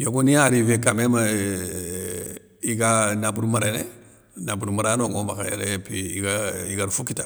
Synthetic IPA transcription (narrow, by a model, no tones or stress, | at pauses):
jokuniaɾivekamema | iɡanabuɾumaɾene | nabuɾumaɾanoŋomaka̰jḛɾepiiɡaiɡaɾfukita